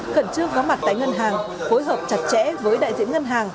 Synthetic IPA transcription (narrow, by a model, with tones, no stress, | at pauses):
kə˨˩nt͡ɕɨ˧əŋkɔ˨˦ma˨˩t̚t̪a̰ː˧˨jŋə˧nɦaː˨˩ŋ | fo˨˦jɦəː˨˩p̚t͡ɕa˨˩t̚t͡ɕɛ̰˧˥vəː˨˦jɗa̰ː˧˨jzḭ˧˥ənŋə˧nɦaː˨˩ŋ